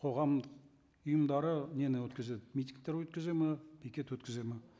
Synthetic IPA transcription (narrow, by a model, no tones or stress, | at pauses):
qʰo̞ʁɑmd̪əq | ʊjəmd̪ɑɾənenɪwɵt̪kʲɪze̞d̪ɪmijt̪ʲiŋɡ̚t̪eɾwɵt̪̚kʲɪze̞mepʰikʲe̞t̪wɵt̪kʲɪze̞mɪ